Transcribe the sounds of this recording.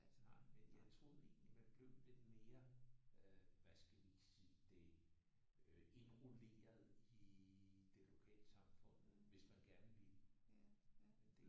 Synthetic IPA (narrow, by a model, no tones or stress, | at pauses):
nɑ̈ɪ̰menjɑ̈ɪt͡sʰʁo̝ːð̩ˠe̝̰ːnlimænb̥le̝ʊ̰le̝d̥me̝ːɐ | ʋæsɡ̥æeiɡ̥siːd̥e̝ | øe̝nʁole̝̰ːɐð̩ˠid̥e̝lo̝kʰɛ̰ːləsɑ̈mfɔ̽n̰ð̩ʋe̝smænɡ̥æɐnəʋil | d̥e